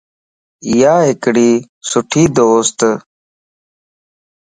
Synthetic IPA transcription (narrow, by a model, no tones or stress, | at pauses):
jaːɦɪkɽiː | sʊʈʰiːd̪oːst̪